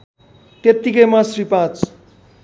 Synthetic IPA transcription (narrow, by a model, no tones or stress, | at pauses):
t̪et̪ːikʌjmasripat͡s